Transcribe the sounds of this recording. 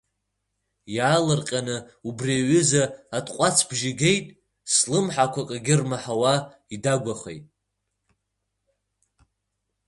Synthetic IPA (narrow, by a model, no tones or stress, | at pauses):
jaːlɨrqʲʼanɨ | ubriaɥʏzaatʰʼqʷʼat͡sʰbʒɪɡʲe̞jtʼ | slɨmħakʷakʼaɡʲɪrmaħawa | idaɡʷaχḛjtʼ